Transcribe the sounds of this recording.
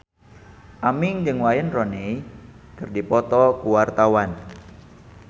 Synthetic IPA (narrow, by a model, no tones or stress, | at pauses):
ʔamɪŋd͡ʒɨŋwajənrɔnei | kərdipɔt̪ɔkuwart̪awan